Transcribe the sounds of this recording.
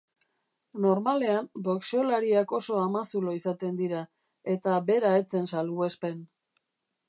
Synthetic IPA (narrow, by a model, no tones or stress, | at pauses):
no̞ɾmale̞ambo̞kseolaɾiako̞so̞amasuloisat̪e̞nd̪iɾa | e̞t̪abe̞ɾae̞t͡se̞nsalue̞spe̞n